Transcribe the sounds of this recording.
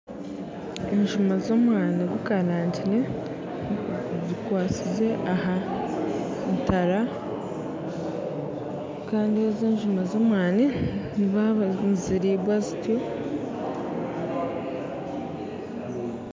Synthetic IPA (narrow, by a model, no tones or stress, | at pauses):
e̞ɲʒumazo̞ːmwaːniɡukaɾaːntine̞ | zikwaːt͡size̞ʔaɦa | ntaɾa | kaːndiezeːɲʒumazo̞ːmwaːniniβaziɾiːβwazitjo̞